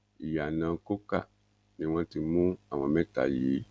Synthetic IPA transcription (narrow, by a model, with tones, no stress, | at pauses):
i˨ja˨nã˨˧ko˦ka̰˦˨ | nĩ˦w̃ɔ̃˧ti˧mũ˦a˦˨w̃ɔ̃˧mɛ̃˦ta̰˨ji˨˦